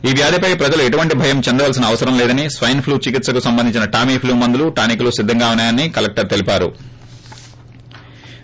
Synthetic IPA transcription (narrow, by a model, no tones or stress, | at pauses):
iːʋjaːd̪ʱipɐjpɾɐd͡ʒɐlueʈuʋɐɳʈibʱɐjɐmt͡ʃend̪ɐʋaːls̬inɐɐʋɐsɐɾɐmlɛːd̪ɐnisʋɐjɐnpʰluːt͡ʃikit̪sɐkusɐmbɐnd̪iɲt͡ʃinɐʈaːmiːpʰluːmɐnd̪uluʈaːnik̬ulusid̪ʱːɐŋɡaːunaːjɐnːikɐlɐk̚ʈɐɾt̪elipaːɾṵ